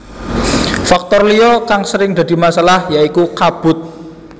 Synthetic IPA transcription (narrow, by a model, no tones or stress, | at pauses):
fak̚t̪ɔrlijɔkaŋsəɾɪŋd̪̥ä̤d̪i̤masalahjaikukab̥ʊ̤t̪̚